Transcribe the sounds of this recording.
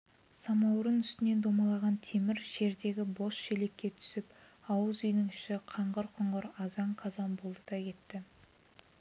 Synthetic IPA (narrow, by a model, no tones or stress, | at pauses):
sɑmɑwɾənʏst̪ɪne̞nd̪o̞mɑlˠɑʁɑnt̪ʰe̞mɪɾʒ̥e̞ɾd̪e̞ɡʲɪbo̞sʃe̞le̞kʲːet̪ʰʏ̥sɪp̚ | ɑwəzʏjnɪŋʏʃɪqʰɑɴʁəɾqʰʊɴʁəɾɑzɑɴqʰɑzɑnbolˠd̪əd̪̥ɑkʲe̞t̪ːɪ